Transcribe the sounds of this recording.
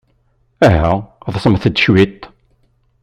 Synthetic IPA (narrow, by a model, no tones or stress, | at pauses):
æɦæðˤsˤəmθəd̪ʃwit̪ː